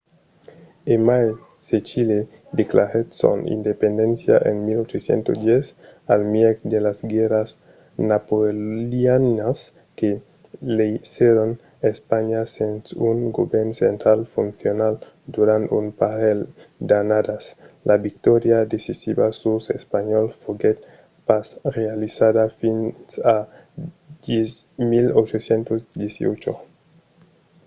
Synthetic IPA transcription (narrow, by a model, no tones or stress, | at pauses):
emaj | set͡ʃile | d̪eklaɾet̪so̰nḭnd̪epend̪ensja̰ʔḛnmilot͡ʃosjḛnt̪od̪jesalmjekd̪elazɡeɾas | napoljanas | ke | leisjeɾon | espaɲasensuŋɡobeɾnsent̪ɾalfunθjonal | d̪uɾant̪umpaɾeld̪anad̪aslʔaβik̚t̪ɔɾjad̪esisiβasusḛspaɲɔlfoɡet̪̚ | pasrealisaðafinsa | desmilot͡ʃosjent̪ozd̪jesḭo̰t͡ʃo̰